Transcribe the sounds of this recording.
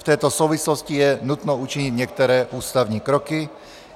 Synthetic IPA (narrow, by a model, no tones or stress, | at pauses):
t̪ɛjt̪ɔsuːʋislɔscijɛnut̪nɔut͡ʃiɲiɟɲɪɛk̚t̪ɔɾɛːʔuːst̪aʊɲiːkɾɔki